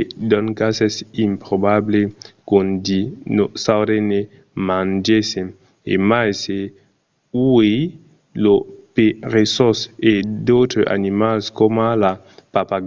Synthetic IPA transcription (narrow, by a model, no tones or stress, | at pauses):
d̪ɔnkasesimpɾobablekond̪inosawɾene | mãnd͡ʒesen | ḛmajse | uej | lopeɾesɔsedot̪ɾeʔa̰nimalskomala | papaɡ